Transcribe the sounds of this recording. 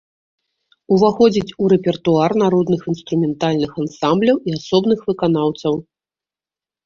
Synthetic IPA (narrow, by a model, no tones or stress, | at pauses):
uvaxɔd͡zʲit͡sʲuɾɛpʲɛrt̪uarnaɾɔd̪nɨxinst̪ɾumʲɛnt̪alʲnɨxansamblʲɐwiasɔbnɨxvɨkan̪awt̪sɐw